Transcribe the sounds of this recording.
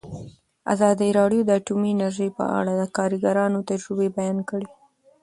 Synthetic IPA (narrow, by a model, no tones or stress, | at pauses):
a̰zɑd̪iɾɑɖjod̪əaʈumiɪnaɾʒəjpə̰a̰ɽad̪əkɑɾiɡaɾɑnot̪ad͡ʒɾubebajɑnkəɽe